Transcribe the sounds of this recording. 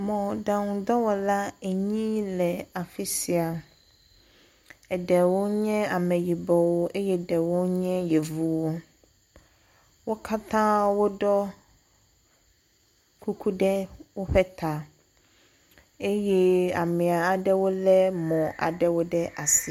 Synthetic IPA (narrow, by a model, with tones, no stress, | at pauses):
mɔ̃˨da˨ŋũ˨d̪ɔ˦wɔ˦la˦e˨ɲĩ˦lɛ˨a˨fi˦si˨a˨ | ɛ˨ɖɛ˨wo˦ɲɛ̃˦a˨mɛ̃˨ji˨bɔ˨wo˦ʔe˦jɛ˦ɖɛ˨wo˦ɲɛ̃˦jɛ˨vu˦wo˦ | wo˦kʰa˦t̪ʰã˦wo˦ɖɔ˦ | kʰu˦kʰu˦ɖɛ˦wo˦ɸɛ˦t̪ʰa˨ | e˦jɛ˦a˨mẽ˨a˨a˨ɖɛ˦wo˦lɛ˦mɔ̃˨ʔa̰˨ɖɛ˦wo˦ɖɛ˦ʔa˨si˨